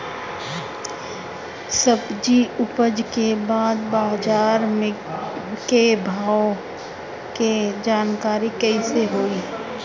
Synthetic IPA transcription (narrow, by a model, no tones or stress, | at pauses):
səbd͡ʒiʊpəd͡ʒkebaːd̪baːd͡ʒaːɾme | kebʱaːo | ked͡ʒaːnkaːɾikəiseɦoːiː